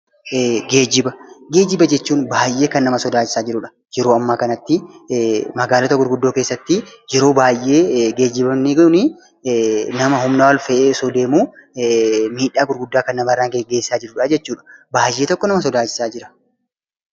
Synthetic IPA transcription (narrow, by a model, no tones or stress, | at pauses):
ɡe̞ːd͡ʒɪbɐɡeːd͡ʒɪbɐd͡ʒɛt͡ʃːuːnbaːjʔe̞ːkɐnːɐmɐsɔd̪aːd͡ʒɪ̥saːd͡ʒɪɾʊᶑɐ̥ | d͡ʒɛɾo̞ːɐmːaːkɐnɐt̪ːɪ | mɐɡaːlɔt̪ɐɡʊɾɡʊd̪ːoːke̞ːsːɐt̪ːɪd͡ʒɛɾo̞ːbaːjʔeːɡe̞ːd͡ʒːɪbɐmnikʊnɪ | nɐmɐɦʊmnaːwɐlfɛʔeːsɔd̪eːmuː | miːᶑaːɡʊɾɡʊd̪ːaːkɐnːɐmɐrːaːɡeɡe̞ːsːaːd͡ʒɪɾʊᶑaːd͡ʒɛt͡ʃːuːᶑɐ̥baːjːe̞ːt̪ɔkːɔnɐmɐs̬ɔd̪aːd͡ʒɪ̥saːd͡ʒɪɾɐ̥